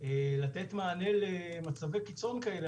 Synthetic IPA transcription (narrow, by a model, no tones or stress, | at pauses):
elat̪et̪maːnelemat͡savekit͡so̞nkaele